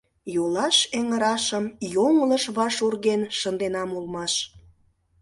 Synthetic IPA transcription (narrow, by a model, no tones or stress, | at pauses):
jolɑʃeŋəɾɑʃəmjoŋləʃβɑʃurɣenʃənd̪enɑmulmɑʃ